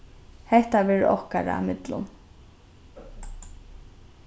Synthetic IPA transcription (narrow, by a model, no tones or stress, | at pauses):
hɛht̪avɛːɾ̰ʔɔhkaɾaa̰mɪt̪lʊ̰n